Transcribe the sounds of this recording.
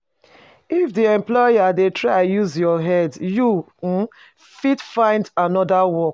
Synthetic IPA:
ifdiɛ̃mplɔjadetʰɹaɪajuzjɔɦɛdju | fitfãɪ̃ndanɔdawɔk

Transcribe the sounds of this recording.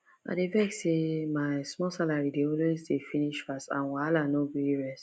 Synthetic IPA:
a̰devɛksemaɪsmɔsalaɹideɔlwezdefiniʃfastã̰nwalanobiiɹɛs

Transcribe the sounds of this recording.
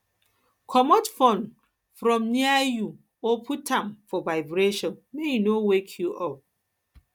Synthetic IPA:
kʰɔmɔtfɔ̃n | fɾɔ̃mniaju | opʰutʰãmfɔvaɪbɾeʃɔ̃nmejinowekʰjuʔɔp̚

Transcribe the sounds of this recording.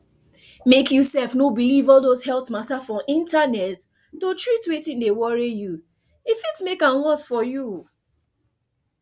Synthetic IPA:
mekjusɛlfnobilivɔlˠdoshɛltmatafɔʔĩntanɛtː | otɹitwetĩndewɔɹiju | ifitmekãnwɔtfɔju

